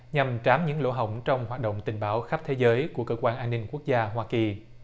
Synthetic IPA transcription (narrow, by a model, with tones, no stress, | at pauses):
ɲa˨˩mt͡ɕaː˨˦mɲɨ̰˧˥ŋlo̰˧˥ɦə̰˧˨wŋ͡mt͡ɕɔ˧wŋ͡mɦwaː˨˩t̚ɗo̰˧˨wŋ͡mt̪ï˨˩ŋ̟ɓaː˨˦wxa˦˥p̚t̪ʰe˨˦zəː˨˦jku˧˩əkəː˧kwaː˧nʔaː˧nːï˧ŋku˦˥ək̚zaː˧ɦwaː˧ki˨˩